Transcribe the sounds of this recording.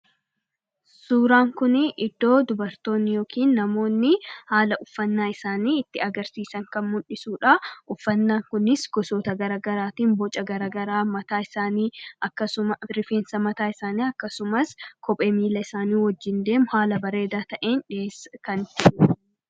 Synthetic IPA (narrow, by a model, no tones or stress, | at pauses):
suːɾaːŋkʊnɪʔɪd̪̥ːo̞ːd̪ʊbɐɾt̪o̞ːnːɪjo̞ːkʰiːnːɐmo̞ːnːɪhaːlɐʔʊfːɐnːaːɪsaːniːɪt̪ːɪɐɡɐɾsiːsɐŋkɐnmʊʔɪsuːᶑɐʔʊfːɐnːaːŋkʊnɪsɡɔsoːt̪ɐɡɐɾaːɡɐɾaːt̪iːmbɔt͡ʃʼɐɡɐɾaːɡɐɾaːmɐt̪aːɪsaːniːɐkːɐsʊmɐɾɪfe̞ːnsɐmɐt̪aːɪsaːniːɐkːɐsʊmɐskʰɔpʼeːmiːlɐɪsaːniːwɔd͡ʒːɪnd̪e̞ːmʊhaːlɐbɐɾe̞ːd̪aːt̪ɐʔeːnᶑeːskɐnd͡ʒɪ